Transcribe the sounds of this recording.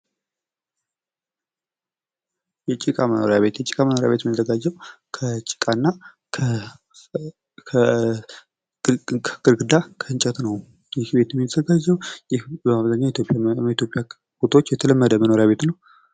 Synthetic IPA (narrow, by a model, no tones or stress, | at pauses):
jɛt͡ʃʼikʼaməno̰ɾjaβe̞t̪jɛt͡ʃʼi̥kʼaməno̞ɾja̰βe̞t̪jɛmit̪əzəɡad͡ʒːɛwkʰət͡ʃʼi̥kʼanːa | ə | kʼɨɾɡɨd̪akʰəɨnt͡ʃʼɛt̪nəw | jɪhbe̞t̪jɛmːit̪ʰəzəɡad͡ʒːɛwjɪhbəmaβzaɲːait̪ʰjopʼit̪ʰjo̞pʼja | kut̪ʰwot͡ʃːjɛt̪ʰələmːəd̪əməno̞ɾjaβe̞t̪nəw